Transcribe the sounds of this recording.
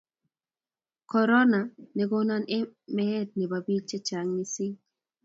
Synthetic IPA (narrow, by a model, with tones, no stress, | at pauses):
kɔ˨ɾɔ˦na˨nɛ˨ɡo˦na˦ne˦mɛ˦t̚ne˨ba˨bi˦t͡ʃe˦t͡ʃa˨ŋni˦si˦ŋ